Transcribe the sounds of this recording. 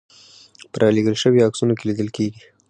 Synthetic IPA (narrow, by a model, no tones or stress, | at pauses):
pəɾʔɑleɡəlʃəwiaksunokelid̪əlkeɡi